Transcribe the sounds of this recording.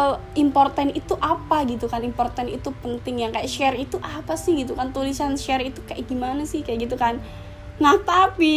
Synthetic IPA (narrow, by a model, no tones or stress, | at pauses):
impɔrt̪anit̪uʔapaɡit̪ukanimpɔrt̪anḭt̪upənt̪ɪŋjaŋkajaʔʃɛrit̪uʔapasɪhɡit̪ukant̪ulisanʃɛrit̪ukajaɡimanasɪhkajaʔɡit̪̬ukan | ŋaht̪api